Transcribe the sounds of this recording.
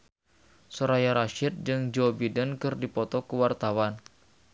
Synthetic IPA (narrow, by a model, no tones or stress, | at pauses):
sɔɾajaɾaʃɪt̪̚d͡ʒɨŋd͡ʒɔbidənkɨrdipɔt̪ɔkəwart̪awan